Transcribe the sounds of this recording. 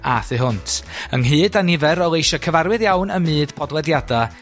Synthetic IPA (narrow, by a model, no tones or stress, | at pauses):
aθɨɦʊntʰə̰ŋɦɨːdanɪvɛɾɔlˠejʃɔkʰəvaɾwɨðjawnəmɨːd̥pʰɔdwɛdjada